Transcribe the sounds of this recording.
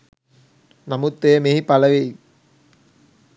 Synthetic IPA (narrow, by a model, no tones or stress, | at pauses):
namut̪ːejəmeɦipɐlɐʋei